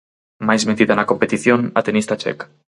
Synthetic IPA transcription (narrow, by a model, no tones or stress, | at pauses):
majzment̪iðanakompet̪iθjona̰t̪enist̪at͡ʃḛka